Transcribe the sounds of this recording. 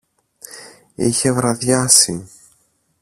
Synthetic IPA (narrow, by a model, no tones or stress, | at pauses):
içevɾaðjasi